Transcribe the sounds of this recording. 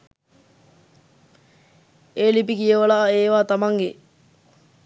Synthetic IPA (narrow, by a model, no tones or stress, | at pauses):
eːlipikijəʋəlaːeːʋaːt̪amaŋɡe